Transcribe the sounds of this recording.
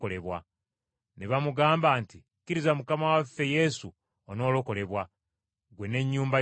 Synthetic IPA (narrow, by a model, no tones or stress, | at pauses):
ole̞βwa | neβamuɡaːmbaːnti | kːiɾizamukamawafːe̞je̞su | ono̞ːlo̞ko̞le̞βwa | ɡwe̞ne̞ɲːuːmba